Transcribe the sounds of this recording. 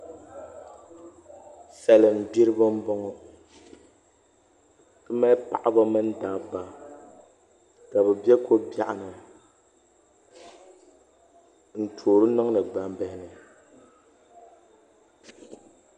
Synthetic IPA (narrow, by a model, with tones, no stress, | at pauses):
sɛ˨lɨ˨m̩˨bi˦ɾɨ˦bɨ˦m̩˦bɔ˦ŋɔ˦ | tɨ˦ma˦pa̰˨ʔa˦ba˦mɨ˦n˦da˨ba˦ | ka˨bɛ˨bɛ˦ko˦bja˨ʔa˨nɨ˨ | n̩˨tʰoː˨ɾɨ˦nɨ˦ŋ˦nɨ˨ɡ͡ba˦m˦bɛ˨hɪ˦nɨ˨